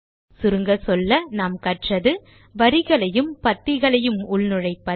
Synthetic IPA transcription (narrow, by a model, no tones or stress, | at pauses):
sʊɾɯŋɡɐsɔlːɐnaːmkɐʈrɐðɯ | ʋɐɾɪɣɐɭɐjɯmpɐt̪ːɪɣɐɭɐjɯmʊɭnɯɻɐɪpːɐ